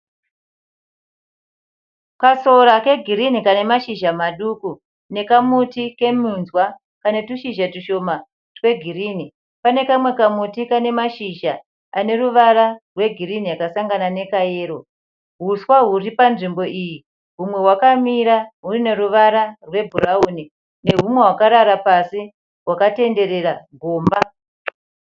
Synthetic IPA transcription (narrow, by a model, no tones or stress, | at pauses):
kaso̞ɾake̞ɡʱiɾinikane̞maʃiʒamaɗuku | ne̞kamutike̞munzwa | kane̞tuʃiʒatiʃo̞ma | twe̞ɡʱiriːni | pane̞kamwe̞kamutikane̞maʃiʒa | ane̞ruʋaɾarwe̞ɡʱiriniakasaŋɡanane̞kaje̞ːɾo̞ | ɦuswaɦuripanʐimbo̞ʔiji | ɦumwe̞ɦwakamiɾaɦurine̞ruʋaɾarwe̞bʱurauːni | ne̞ɦumwe̞ɦwakaɾaɾapasi | rwakate̞nde̞ɾe̞raɡʱoːmba